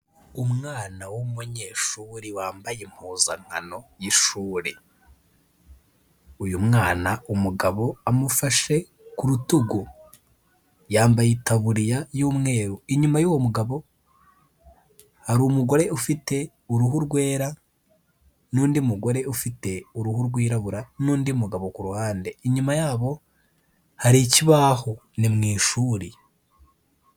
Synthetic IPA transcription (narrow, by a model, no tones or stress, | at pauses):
umŋaːnawomuɲe̞ːʃuɾiwaːmbajem̥huːza̰ŋ̥ha̰no̞jiʃuːɾḛ | ujumŋaːnaumuɡaβo̞amufaʃe̞ | kuɾutuɡu | jaːmbajitaβuɾijajuːmŋe̞ːɾuiɲumajuwomuɡaβo̞ | haɾumuɡo̞ɾe̞ufite̞ | uɾuɦuɾɡwe̞ːɾa | nuːndiumuɡo̞ɾe̞ufite̞uɾuhuɾɡwiːɾaβuɾanuːndiumuɡaβo̞kuɾuhaːnde̞iɲumajaːβo̞ | haɾiciβaho̞ | nimŋiːʃuːɾi